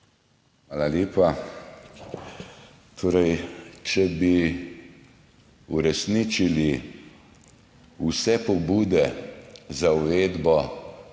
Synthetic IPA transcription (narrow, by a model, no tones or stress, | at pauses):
xʋaːlaljeːpa | t̪ʰoːɾɛjt͡ʃɛbi | uɾɛsnit͡ʃili | usɛpɔbuːd̪ɛ | zauveːd̪bɔ